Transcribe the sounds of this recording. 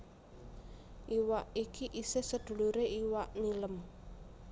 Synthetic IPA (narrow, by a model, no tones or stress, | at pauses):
ʔiwaʔikiʔisehsəd̪̥ṳluɾeʔiwaʔniləm